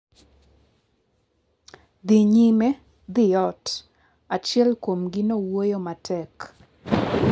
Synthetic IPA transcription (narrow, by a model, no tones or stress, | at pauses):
d̪iɲimɛ | d̪ɪjɔt | at͡ʃjɛlkomɡɪnowojomatʰɛk